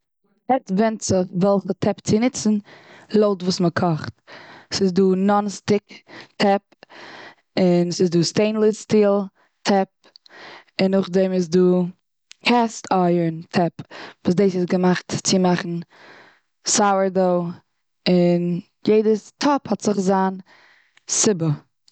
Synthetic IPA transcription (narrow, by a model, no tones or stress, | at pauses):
ɛtvɛntt͡sɪχvɛlˠχətʰɛpt͡sɪnɪt͡sn̩lˠoʊtvuːsməkʰɔχtsɪsduːnɔnstɪktʰɛp̚ | ɪnəsɪsduːsteɪnlˠɪstiːlˠ | tʰɛp̚ | ɪnʊχdɛmɪsduː | kʰɛstʰaɪəɹntʰɛpvuːsdeɪsɪsɡəmaχtt͡sɪmaχn̩ | saʊəɹdoʊ | ɪn | jeɪdətʰɔphɔtz̥ɪχzaːn | sɪbə